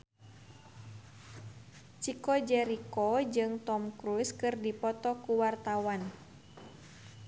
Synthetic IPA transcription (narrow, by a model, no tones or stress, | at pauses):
t͡ʃikɔd͡ʒɛɾikɔd͡ʒɨŋt̪ɔmkɾuskɨrdipɔt̪ɔkuwart̪awan